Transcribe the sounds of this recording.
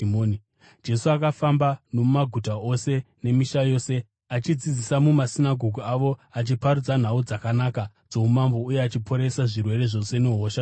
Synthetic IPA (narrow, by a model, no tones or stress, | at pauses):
oni | d͡ʒe̞suakafambano̞mumaɡʱutao̞se̞ne̞miʃajo̞ːse̞ | at͡ʃid͡zid͡zisamumasinaɡʱo̞ɡʱuaʋo̞at͡ʃipaɾud͡zan̤aud͡zakanaːka | d͡zo̞mumambo̞ujeat͡ʃipʰo̞ɾe̞saʐirwe̞re̞ʐo̞se̞neɦoːʃa